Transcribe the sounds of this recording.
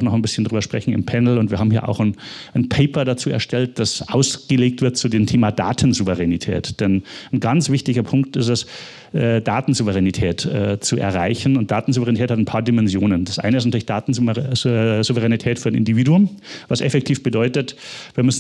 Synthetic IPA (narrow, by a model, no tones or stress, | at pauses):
xnɔχnbɪsçən̩dʁyːbɐʃpʁ̥ɛçn̩ɪmpʰɛnl̩ʊntv̥iːɐɦaːbm̩hiɐʔa̰ʊxnnpʰeɪpɐdat͡suːɛ̰ɐʃtɛlt̚d̥asʔaʊsɡ̥əleːk̚tv̥ɪɐt̚t͡sudeːmtʰeːmada̰ːtʰn̩zuvəʁɛnitʰɛ̰ːtd̥ɛnnɡant͡sv̥ɪçtɪɡɐpʰʊŋk̚tɪstɛs | ʔɛːd̥aːtn̩zuvəʁɛnitʰɛːtɛːt͡suɛ̰ɐʁaɪçn̩ʊnt̚d̥aːtn̩zuvəʁɛnitʰɛːthatnpʰaːɐdɪmɛnzjoːnəndasʔa̰ɪnəɪstntʰyɐlɪçd̥aːtn̩ | zuvəʁɛnitʰɛːtfyːɐdnʔɪ̰ndiviːduʊmvasʔɛfɛk̚tʰiːfb̥ədɔʏtətviːɐmʏsn